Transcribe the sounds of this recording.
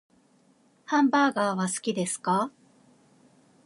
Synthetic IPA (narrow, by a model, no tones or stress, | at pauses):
hãmbaːɡaːβasɨ̥kʲid̪e̞sɨ̥ka